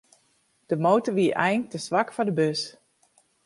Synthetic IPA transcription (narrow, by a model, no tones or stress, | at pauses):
d̥əmowtəʋiəʔɛjŋtəsʋakfɔdəbøs